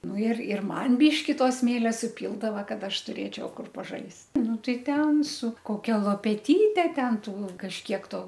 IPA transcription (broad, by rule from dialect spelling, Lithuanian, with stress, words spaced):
ˈnʊ ɪr ɪr ˈmɐn ˈbʲiːʃʲkʲɪ ˈtoː ˈsʲmʲeːlʲɛ sʊˈpʲiːlˠdɐʋɐ ˈkɐt ˈɐʃ tʊˈrʲeːt͡ʃʲɛʊ ˈkʊr pɐˈʒɐɪst ˈnʊ ˈtɐɪ ˈtʲɛn sʊ koːˈkʲɛ lˠoːpʲɛˈtʲiːtʲɛ ˈtʲɛn ˈtuː kɐʃʲˈkʲiɛk ˈtoː